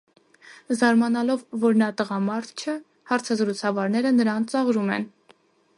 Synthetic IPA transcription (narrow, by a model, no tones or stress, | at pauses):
zɑɾmɑnɑlɔvːɔɾnɑt̪əʁɑmɑɾt̪ʰt͡ʃʰə | hɑɾt͡sʰɑzəɾut͡sʰɑvɑɾnɛɾənəɾɑnt͡sɑʁɾumɛ̰n